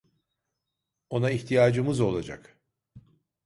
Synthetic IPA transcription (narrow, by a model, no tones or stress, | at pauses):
o̞naiçt̪ʰijaːd͡ʒɯmɯzo̞lˠad͡ʒa̰k